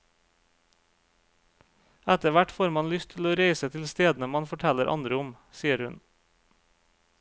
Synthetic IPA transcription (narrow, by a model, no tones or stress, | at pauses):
æt̪əʋæʈfoːɾmɑnlʏst̪ʰɪloːɾeɪsət̪ʰɪlst̪eːd̪n̩əmɑnfɔʈʰɛləɾʔɑ̰nd̪ɾəʊm | siːəɾhʉn